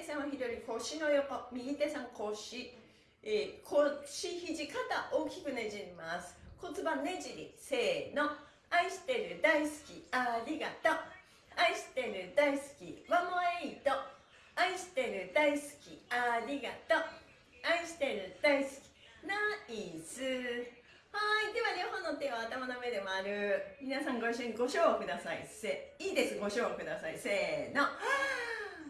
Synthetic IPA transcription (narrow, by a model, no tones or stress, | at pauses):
esãɰ̃oçid̪o̞ɾʲiko̞ɕino̞jokomʲiɡʲit̪esãŋkʰo̞ɕi | ekʰoɕiçiʑikat̪aʔo̞ːkʲi̥kɯ̟ne̞d͡ʑimasɨ̥ko̞t͡sɨbane̞ʑiɾʲḭse̞ːno | aiɕi̥t̪e̞ɾɯ̟d̪aisɨ̥kʲiaɾʲiɡat̪o | aiɕi̥t̪e̞ɾɯ̟d̪aisɨ̥kʲḭmamoeit̪o | aiɕi̥t̪e̞ɾɯ̟d̪aisɨ̥kʲiaɾʲiɡat̪o̞ | aiɕi̥t̪e̞ɾɯ̟d̪̥aisɨ̥kʲi̥ | naisɨ | haid̪e̞βaɲʲihõ̞nːot̪eːβaːt̪amanomɯed̪e̞mo̞aɾɯ̟mʲinasãŋɡoiɕ̬ĩŋɡo̞ɕoːkɯ̟d̪asaḭseːiːd̪e̞sɨɡo̞ɕoːkɯ̟d̪asaiseːno